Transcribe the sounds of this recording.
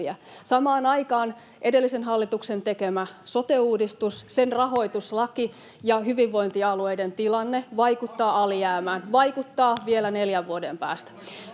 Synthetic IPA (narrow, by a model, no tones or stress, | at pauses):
æ̰sɑmɑːnɑikɑːn | ʔedelːisenɦɑlːit̪uksent̪ekemæsot̪euːdist̪ussenrɑɦo̞it̪uslɑki | jɑhyʋiʋːo̞int̪iɑlueident̪ilɑnːeʋɑikut̪ːɑːɑlijæːmæːnʋɑikut̪ːɑːʋielæneljæʋʋuodempæ̰ːst̪æ̥